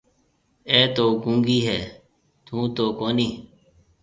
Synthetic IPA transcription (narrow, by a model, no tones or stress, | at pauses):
eːt̪oːkũːŋɡiːɦɛː | t̪ʰũːt̪oːkoːniː